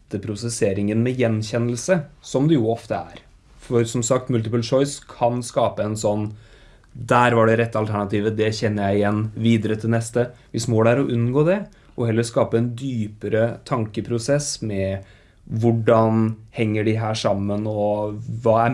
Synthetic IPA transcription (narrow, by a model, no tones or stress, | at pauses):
t̪ːəpʰɾʊsɛseːɾɪŋənmɛjɛnːçɛnːəlsəsɔmd̪ɛjuːɔft̪əæ̰ɾ | fɔɾsɔmsɑk̚t̪mʉlt̪ɪpʉlʂɔʏskʰɑnskɑːpəɛnsɔnː | d̪æːɾʋɑɖɛɾɛt̪ːəɑlt̪ʰæɳɑt̪iːʋəd̪ɛçɛnːəɾjæɪɪjɛnːʋiːd̪əɾət̪ʰɪlnɛst̪əʋɪsmoːɽəæɾɔʔʉnːɡoːd̪ɛ | ʔɔhɛlːəskɑːpəɛnd̪yːpəɾət̪ʰɑŋkəpʰɾʊsɛsmɛ | ʋʊɖɑnhɛŋːəɖɪɦæːʂɑmːənɔʋɑːæ